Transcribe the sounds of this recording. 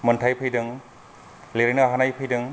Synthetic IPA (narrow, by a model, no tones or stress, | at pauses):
mɐntʰajpʰɯjdɯŋ | leɾejnɐɦanajpʰɯjdɯŋ